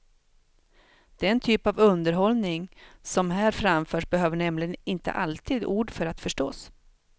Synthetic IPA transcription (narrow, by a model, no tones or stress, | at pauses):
d̪̥ɛɛnt̪ʰyːpavɵnd̪əɾɦɔlnɪŋsɔmɦæːɾfɾamfœːʂbɛɦøːvəɳɛmlɪɡənɪnt̪ə̰ʔalt̪ʰiːd̪uːɖfœɾat̪fœʂʈoːs